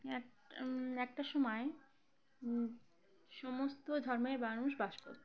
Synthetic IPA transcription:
ɛ | ɛk̚ʈaʃɔmɔe | ʃɔmost̪od̪ʱɔɾmeɾbanuʃbaʃko̰ɾt̪

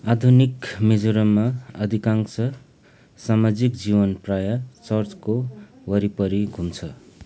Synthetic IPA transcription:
ad̪ʱunikmid͡zuɾʌmːaʌd̪ʱikaŋsʌ | samad͡zikd͡zibʌnprajat͡sʌrt͡sko | wʌɾipʌɾiɡʱunt͡sʰʌ

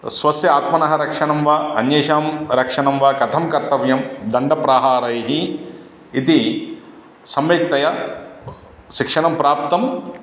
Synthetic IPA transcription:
sʋɐsjɐaːt̪mɐnɐɦɐɾɐkʂɐɳɐmʋɐɐnjeːʃaːmɾɐkʂɐɳɐmʋɐkɐt̪ʰɐmkɐɾt̪ɐʋjɐmd̪ɐɳɖɐpɾaːɦaːɾɐjɦiː | t̪i | sɐmʋeːk̚t̪ɐjɐ | ʃikʂɐɳɐmpɾaːp̚t̪ɐm

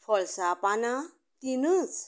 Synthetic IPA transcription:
pʰɔlsapana | t̪inɯt͡s

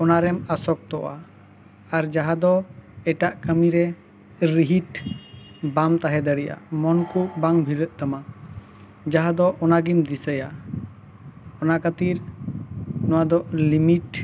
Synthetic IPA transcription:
ɔnaɾɛmasɔk̚t̪ɔʔa̰ | aɾd͡ʒaɦad̪ɔɛʈaʔkəmiɾɛ | ɾiɦiʈ | bamt̪aɦɛd̪əɽɛja̰mɔnkuʔbaŋbʱiɾəʔ̪̚t̪əma | d͡ʒaɦad̪ɔʔɔnaɡimd̪isəja | ɔnakət̪iɾ | nɔwad̪ɔʔlimiʈ

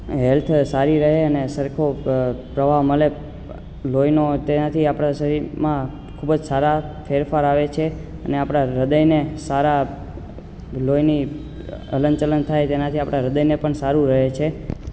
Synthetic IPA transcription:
ɦɛlt̪ʰsaɾiɾəɦeənesəɾkʰopɾəʋaʋməle | lojnot̪enat̪ʰiapɽ̃asəɾiɾmã | kʰubd͡ʒsaɾafeɾfaɾaʋet͡ʃʰe | əneapɽ̃aɾəd̪əjnesaɾa | lojni | ə̰lənt͡ʃələnt̪ʰajt̪enat̪ʰiapɽ̃aɾəd̪əjnepəɳsaɾũɾəɦet͡ʃʰe

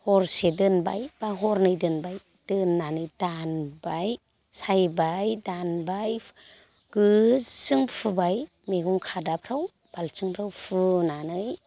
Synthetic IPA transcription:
hɔɾsedɯnba̰jb̥aɦɔɾnɯjdɯnbaj | d̥ɯnːanɯjdanbaj | sajbajdanbaj | ɡ̥ɯsɯŋpʰɯbaj | meɡuŋkʰadapʰɾaw | b̥alsɯŋpʰɾawpʰɯnanɯj

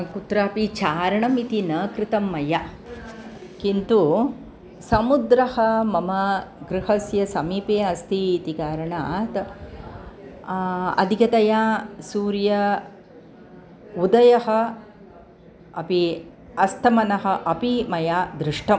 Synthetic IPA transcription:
kut̪ɾɐɐpit͡ʃaːɾɐɳɐmit̪inɐkɾɪt̪ɐmːɐja | kint̪u | sɐmud̪ɾɐhɐmɐmɐɡɾɪhɐsjɐsɐmiːpeːɐst̪ʰit̪ikaːɾɐɳaːt̪ | ɐ̰d̪ʱikɐt̪ɐjaːsuːɾjɐ | ud̪ɐjɐɦɐ̆ | ɐpi | ɐst̪ʰɐmɐnɐɦɐ̆ʔɐpimɐjaːd̪ɾɪʂʈʰɐm

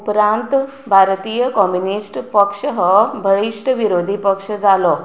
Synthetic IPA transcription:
upɾãnt̪ | bʱaɾt̪ijəkɔmjunisʈpəkʂəɦɔbʱəɭiʂʈəʋiɾod̪ʱipəkʂəd͡zalɔ

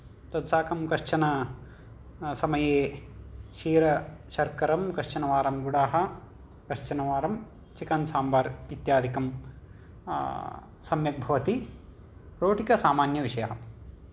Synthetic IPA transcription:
t̪ɐd̪saːkɐmkɐɾt͡ʃɐnɐ | sɐmɐjeː | ʃiːɾɐʃɐɾkɐɾɐmkɐɾt͡ʃɐnɐʋaːɾɐmɡuɽaːɦɐ̆ | kɐɾt͡ʃɐnɐʋaːɾɐm | t͡ʃikɐnsaːmbaːɾit̪jaːd̪ʱikɐm | sɐmjɐk̚bʱɐʋɐt̪i | ɾoːʈikɐsaːmaːnjɐʋiʃɐjɐɦɐ

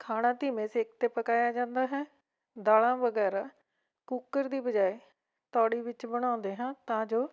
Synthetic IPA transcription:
kʰaːɽ̃ãːt̪ɪmẽːsekt̪eːpəkaːjaːd͡ʒãːnd̪aːɦɛː | d̪aːlãːʋəɡɛːɾaː | kukːəɾd̪iːbəd͡ʒaːeː | t̪ɔːɽiːʋɪt͡ʃbəɽ̃ãːnd̪eːɦãːt̪ãːd͡ʒoː

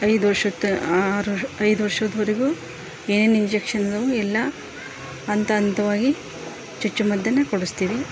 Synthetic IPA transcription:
ɐjd̪uʋɐɾʂɐt̪ːɐaɾɐjd̪uʋɐɾʂɐd̪ɐʋɐɾeɡuː | eːneːniɲd͡ʒekʂɐnɐd̪ɐʋuɛlːɐː | nt̪ɐːnt̪ɐʋaːɡi | t͡ʃɐt͡ʃːumɐd̪ːɐnːɐkoɽust̪iːʋi

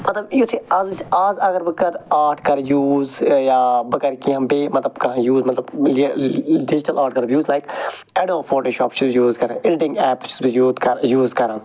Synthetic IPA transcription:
mɐt̪ləbjusʰiɐzt͡ʃaːzɐɡəɾbəkɐɾaːɾʈʰkɐɾjuːzjaːbəkəɾkiãːbemɐt̪ləbkɐɦãjuːzmɐt̪ləblɖɪd͡ʒʈəlaːɾʈ̚kɐɾbjuːzlaːɪk | ɛɖoːpʰoːʈoːʃɔːpt͡ʃʰjuːzkɐɾãːɪɖʈɪ̃ŋɡɛːpt͡ʃjuːd̪kɐjuːzkɐɾãː

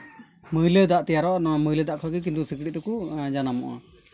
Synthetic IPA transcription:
məjləd̪aʔt̪ɛjaɾɔnməjləd̪aʔkʰɔkik̬int̪usikɽit̪̚t̪ɛkud͡ʒanamɔ̰ʔa̰

